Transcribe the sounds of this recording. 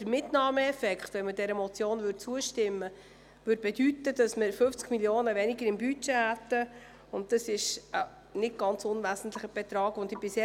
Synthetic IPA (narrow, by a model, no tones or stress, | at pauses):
d̥əɾmɪtnɑːməɛfɛkχt̪ʋɛnmədɛɾəmɔt͡sjoːnʋʏɾtt͡suəʃtɪmːə | ʋʏd̚b̥ɛdytːəd̥ɑsməɾfɵft͡skmiljoːnəʋɛniɡəɾɪmbyt͡ʃɛɦæt̪ːə | ʊnt̚dɑsɪʃə | nɪt̚ɡ̥ɑnt͡sʊnvæsn̩t̪lɪχəb̥ɛt̪ɾɑːɡʊnd̪ɪb̥ɪsɛ